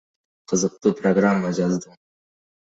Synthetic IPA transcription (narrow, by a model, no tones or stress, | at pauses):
qʰəzɯq̚t̪uːproɡramːad͡ʒɑzd̪ɯ